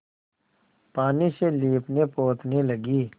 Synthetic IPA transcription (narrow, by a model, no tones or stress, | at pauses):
paːniseliːpneːpoːt̪neləɡiː